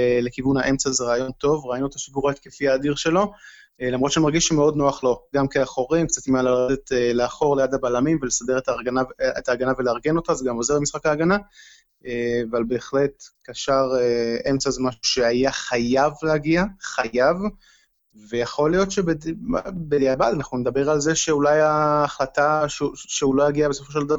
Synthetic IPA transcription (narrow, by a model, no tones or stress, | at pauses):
le̞kivunaʔe̞mt͡sazeʁaajo̞nto̞vʁainuet̪aʃiɡuʁeet̪kefiaːdiʁʃe̞lo̞ | elamʁo̞t̪ʃanimaʁɡiʃemeo̞dno̞aχlo̞ɡamkeaχo̞ʁimkt͡sat̪imalaʁedet̪eleaχo̞ʁlejad̪abalamimvelesade̞ʁetaɡanavetaːɡanaveleaʁɡe̞no̞tazeɡamo̞zeʁemisχakaːɡana | eavalbe̞ːχlet̪kaʃaʁee̞mt͡sazemaʃu̥ʃe̞ajaχajavleaɡiaχajav | ve̞jaχo̞lijo̞tʃebedbeleabad̪anaχnuned̪abe̞ʁalzeʃe̞ulajaːχlataʃuʃeulojaɡiabesofo̞ʃe̞ldav